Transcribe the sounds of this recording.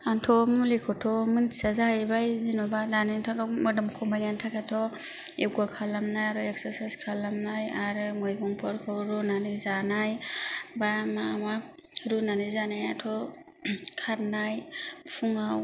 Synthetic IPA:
antʰɔmlikʰɔtʰɔmɯntʰi̥sazahajbajzinɔbadanitʰɔɾɔmɯdɯmkʰɔbaantʰakʰatʰɔeɡakʰalamnajaɾɔek̚saɾsajskʰalamnajaɾɯmɔjɡɔŋpʰɔɾkʰɯwɾɔnanɯzanajbamama | ɾunanɯzanajatʰɔ | kʰaɾnajpʰuŋaw

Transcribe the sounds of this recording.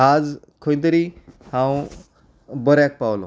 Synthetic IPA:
ad͡z | kʰoj̃d̪əɾihãw | bəɾjak̚pawlo̰

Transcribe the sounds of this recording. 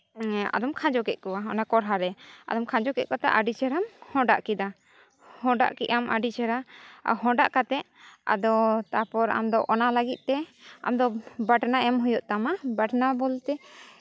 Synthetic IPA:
a̰d̪ɔmkʰãd͡ʒɔkɛʔ̪̚kɔwaɔnakɔɾɦaɾɛa̰d̪ɔmkʰãd͡ʒɔkɛʔ̚kɔt̪a̰ʔaɖit͡ʃʰɛɾamhɔ̃ɖa̰ʔkid̪a | hɔ̃ɖa̰ʔkiʔamʔa̰ɖit͡ʃʰɛɾaa̰ɦɔ̃ɖaʔkat̪ɛʔ | a̰d̪ɔt̪apɔɾa̰md̪ɔʔɔnalaɡit̪̚ˀt̪ɛa̰md̪ɔbaʈnaɛmɦujɔʔt̪amabaʈnabɔlt̪ɛ

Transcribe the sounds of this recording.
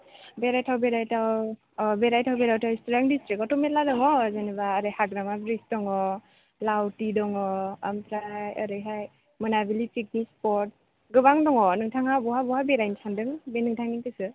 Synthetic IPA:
beɾajtʰawbeɾajtʰaw | beɾajtʰawbeɾawtʰawistɾaŋdistɾikɔtɔmet̚ladɔŋɔzanibaːɾɯjhaɡɾamabɾisdɔŋɔ | lawtidɔŋɔamtɾajaɾɯjɦaj | mɯnabilipʰik̚nispɔɾt̚ | ɡɯbaŋdɔŋɔnɯŋtʰaŋabɔɦabɔhajbeɾajnsʰandɯŋbenɯŋtʰaŋniŋtɯsɯ

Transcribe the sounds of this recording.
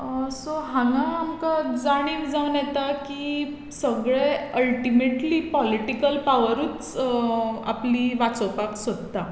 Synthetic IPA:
soɦãŋɡãːmkad͡zaɽ̃iːkd͡zaʋnjɛt̪aki | səɡɭeəlʈimeʈliːpɔliʈikəlpaʋəɾuːt͡s | a̰pliːʋat͡sɔwpaksəd̪t̪a

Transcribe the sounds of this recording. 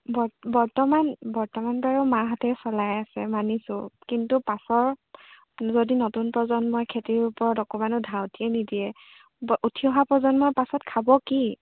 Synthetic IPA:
bɔbɔɹtɔmanbɔɹtɔmanpaɹumaɦɔtɛsɔlajasɛ̰manisʊ̃kintupasɔɹ | zodinotunpɹɔzɔnmojkʰetiɹupɔɹɔdɔkɔmanʊdʱawtiɛnidiɛ | ʔutʰiɔɦapɹɔzɔnmɔjpasɔtkʰabɔki

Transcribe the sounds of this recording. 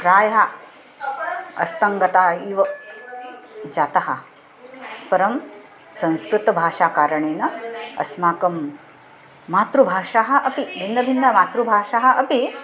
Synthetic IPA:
kɾaːjɦa | ɐ̰st̪ɐŋɡɐt̪aːiːʋɐ | d͡ʒaːt̪ɐɦɐ | pɐɾɐm | sɐ̃w̃skɾut̪ɐbʱaːʂaːkaːɾɐɳeːnɐɐ̰smaːkɐmː | aːt̪ɾubʱaːʂaːɦɐ̆ʔɐpibʱind̪ʱɐbʱind̪ʱɐmaːt̪ɾubʱaːʂaːɦɐ̆ʔɐpi

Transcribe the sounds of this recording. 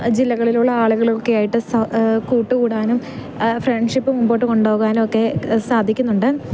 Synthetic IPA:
d͡ʑilːɐɣɐɭiluɭːɐaːɭuɣɐɭokːejaːjiʈːɨsɐkuːʈːɨkuːɽaːnum | freɳɖʂipːɨmumbo̞ːʈːɨko̞ɳɖo̞ːɣaːnmokːe̞saːd̪ʱikʲːunːuɳɖɨ

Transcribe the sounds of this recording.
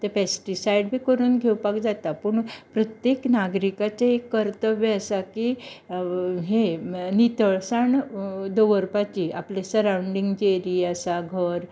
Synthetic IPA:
t̪epesʈisaiɖbʱiːkəɾuːnɡʱewpakd͡zat̪apəɳpɾət̪jeknaɡɾikat͡saekːəɾt̪əʋeasaki | ɦenit̪əɭsaɳd̪oʋəɾpat͡ɕiʔaplesəɾãwɳɖiŋɡd͡ʑeɾiːasaɡʱəɾ

